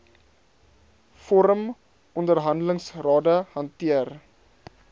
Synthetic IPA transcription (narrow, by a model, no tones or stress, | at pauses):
fɔɾəm | ɔndərɦɐndələŋsrɑːdəhɐntiər